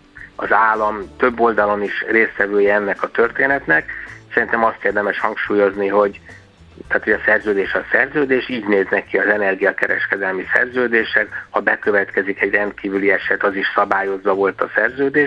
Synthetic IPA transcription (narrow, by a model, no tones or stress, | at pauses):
ɒzaːlːɒmt̪ø̞bːo̞ld̪ɒlo̞niʃreːst̪ʋɛvøːjɛɛnːɛkɒt̪ø̞rt̪eːnɛt̪nɛksɛɾint̪ɛmɒst̪eːrd̪ɛmɛʃhɒŋkʃuːjo̞zniɦo̞ɟ | t̪aːt̪ho̞ɒsɛrzøːd̪eːʃɒsɛrzøːd̪eːʃiːɟneːznɛkːiɒzɛnɛrɡijɒkɛɾɛ̰ʃkɛd̪ɛlmisɛ̰rzøːd̪eːʃɛkhɒbɛkø̞vɛt̪kɛzikɛɟrɛnt̪kiːvyliɛʃɛt̪ɒziʃsɒbaːjo̞zʋɒvo̞lt̪ɒsɛrzøːd̪eːʃ